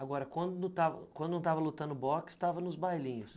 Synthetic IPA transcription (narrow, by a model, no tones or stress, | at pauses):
aɡɔɾɐkwɐ̃d̪ʊnut̪avɐ̰kwɐ̃nd̪ʊñw̃t̪avɐlut̪ɐ̃nd̪ʊbɔkɪ̥st̪avɐnʊzbajlĩɲʊs